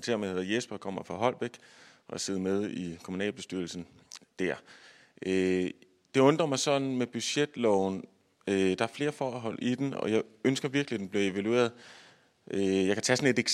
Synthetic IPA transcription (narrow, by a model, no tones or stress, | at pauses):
t͡sʰe̝ɐ̰mehe̝ðˠjesb̥ɐkʰɒ̽m̰ɐfɑ̈ɦɒ̽l̰b̥eɡ̥ʔɒse̝ðˠmeð̞ˠikʰomunɛ̰ːlb̥e̝sd̥yɐl̩sn̩ | d̥æɐ̰ | ʔø | d̥e̝ɔ̽nd̥ʁɐmɑ̈ɪsɒ̽d̥n̩meb̥yɕed̥lɒʊn | ød̥ɑ̈æɐfle̝ːɐfɒːɦɒ̽l̰id̥enɒ̽jɑ̈ɪønsɡ̥ɐʋiɐɡ̥lid̥enb̥liɐe̝ʋælue̝̰ːɐðˠ | ʔøjɑɪkʰæt͡sʰæsɒ̽ne̝d̥eɡ̥